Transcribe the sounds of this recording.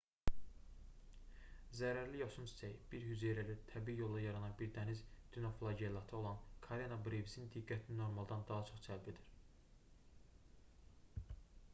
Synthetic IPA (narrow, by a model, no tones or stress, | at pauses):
zæɾæɾlijɑsunsi̥t͡ʃ̪ʰæjb̥iɾhyzeɾæɾæt̪ʰæbiijo̞lˠd̪ɑjɑɾɑnɑnbiɾd̪ænizd̪̥ynoflˠɑɟelˠɑt̪ʰɯolˠɑnkʰɑɾenɑbɾevisind̪iɡːæt̪ʰinino̞ɾmɑlˠd̪ɑnd̪ɑɦɑt͡ʃʰo̞χsʰælbid̪iɾ̥